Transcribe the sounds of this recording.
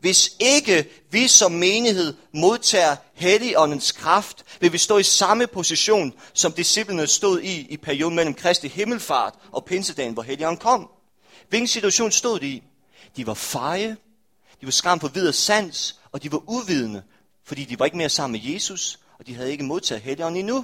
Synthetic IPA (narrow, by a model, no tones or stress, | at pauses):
ʋe̝se̝ɡ̥ə | ʋisɒ̽mːe̝ːnihe̝ð̞̰ˠmo̝ð̞ˠt͡sʰɛ̰ːɐheliʔɒ̽nn̩skʰʁɑfd̥ʋe̝ʋisd̥ɔ̰̽ːisɑ̈məpʰo̝siɕo̝̰ːnsɒ̽md̥isib̥lənəsd̥o̝ð̰ˠiːpʰæɐio̝ːðˠnmel̰m̩kʰʁɛsd̥ihe̝ml̩fɑ̰̈ːd̥ʔɒ̽pʰe̝nsəd̥ɛ̰ːn̩ʋɒɦeliɒ̽n̩kʰɒ̽m̰ | ʋelɡ̥n̩sit͡sʰuæɕo̝̰ːnsd̥o̝ð̰ˠd̥ii | d̥iʋɑ̈fɑ̈ɪə | d̥iʋɑ̈sɡ̥ʁɑ̈m̰fɒ̽ʋið̞̰ˠɐsæn̰s | ɒ̽d̥iʋɑ̈ʔuʋið̞ˠnə | fɒ̽d̥ḭːd̥iʋɑ̈e̝ɡ̥əme̝ɐsɑ̈m̰n̩meje̝ːsus | ɒ̽d̥iɦæð̞̩ˠe̝ɡ̥əmo̝ð̞ˠt͡sʰɛ̰ːð̩ˠɦeliɒ̽n̰n̩inu